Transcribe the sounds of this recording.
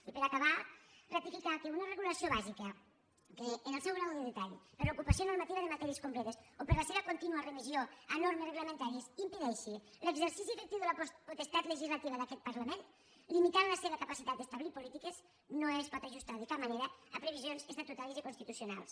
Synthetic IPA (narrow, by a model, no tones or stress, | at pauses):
ipeɾakaβarak̚t̪ifikakeunəreɣulasioβazikɐ | keːnelˠsɛwɣɾawðeðet̪aʎpeɾlokupasjonoɾmat̪iβɐðemat̪ɛɾieskomplɛt̪esopeɾlaseβɐkont̪inuareβizjoanoɾmesreɣləmẽnt̪aɾiesimpeðɛʃi | leɡzeɾsisifek̚t̪iðelappot̪est̪at̪leʒizlat̪iβaðakɛt̪̚paɾlament̪ | limit̪anlaseβəkapasit̪at̪̚d̪est̪aβliɾpolit̪ikez | noespɔt̪aʒust̪aðekamaneɾəapɾeβ̞izjonzest̪at̪ut̪aɾezikonst̪it̪usjona̰lˠs